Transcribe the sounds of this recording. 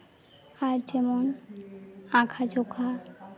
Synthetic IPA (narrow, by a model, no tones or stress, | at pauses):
haɾt͡ɕemon | ãkʰad͡ʑokʰa